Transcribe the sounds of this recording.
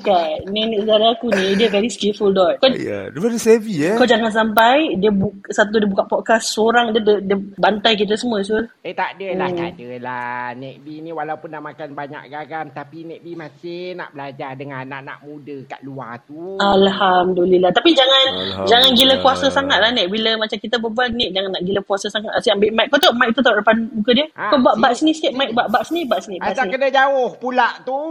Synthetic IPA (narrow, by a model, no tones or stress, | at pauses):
kaniniʔsədaɾaakunĩdiəkadiskilfuldɔka̰depadəsevikad͡ʒaŋans̬ampajdiəbuksat̪udiəbukaʔpɔt̪̚kasːoɾaŋdiədədiəbant̪ajk̬it̪̬asəmuə̃sulət̪aʔdəlahdəlanɛʔ̚biniwalawpʊnːaʔmakanbaɲa̰ʔɡaɡamt̪apinɛʔ̚bimasɪna̰ʔbəlad͡ʒadəŋanːa̰ʔna̰ʔmudəkaʔluat̪ualhamdulilaht̪apid͡ʒaŋand͡ʒaŋanɡiləkuasəsaŋat̪̚lahnɛʔ̚biləmat͡ʃamkit̪əbəbuannɛʔ̚d͡ʒaŋanːaʔɡiləkuasəsaŋat̪asiambɪʔmajʔk̚kat̪oʔmaɪk̚t̪ut̪aʔdapadmukədiəkabuaʔbaʔsənisk̪eʔ̚majk̚buaʔbaʔsənibaʔsniasanikədəd͡ʒawʊhpulaʔt̪u